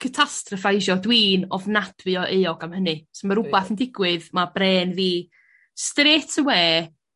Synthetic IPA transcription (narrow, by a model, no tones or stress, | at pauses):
kʰətʰastrɔfajʒɔdwiːnɔvnad̥wɨɔʔejɔɡamhənɨsmaɾʊbaθəndɪɡwɨðmabreːnviː | streːtʰəweː